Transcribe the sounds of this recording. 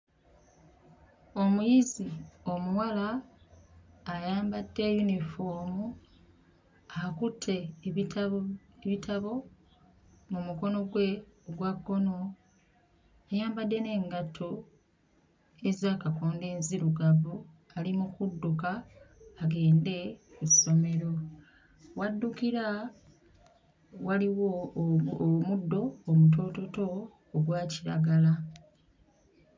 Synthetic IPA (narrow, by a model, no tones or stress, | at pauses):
o̞mujizio̞muwala | jaːmbadːe̞junifoːmu | akutʰːe̞ | eβitʰaβo̞ | mumuko̞no̞ɡwe̞ɡwakːo̞no̞ | ajaːmbadːe̞ne̞ːŋɡatʰo | e̞zaːkakoːnde̞ːnziɾuɡavu | alimukudːukaː | ɡe̞ːnde̞kuso̞me̞ɾo̞ | wadːukiɾa | waliwo̞ | mudːo̞ːmut̬o̞ːto̞to̞ː | ɡwaːciɾa̰ɡala